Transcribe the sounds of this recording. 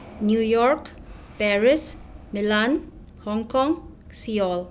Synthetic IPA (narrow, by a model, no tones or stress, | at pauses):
njujɔrk | pɛɹismilan | hɔŋkɔŋ | siɔl